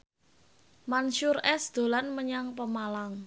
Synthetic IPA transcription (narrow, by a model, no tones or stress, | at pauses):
manʃʊrɛsd̪̥o̤lanməɲaŋpəmalaŋ